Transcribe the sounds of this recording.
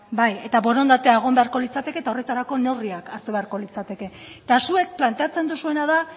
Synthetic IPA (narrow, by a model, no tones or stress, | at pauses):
baje̞t̪aβo̞ɾo̞nd̪at̪eaeɣ̞o̞mbe̞aɾko̞lit͡sat̪e̞ke̞ːt̪ao̞re̞t̪aɾako̞ne̞riakaɾt̪uβe̞aɾko̞lit͡sat̪e̞ke̞ | t̪asue̞k̚plant̪e̞at͡se̞nd̪usue̞nað̞a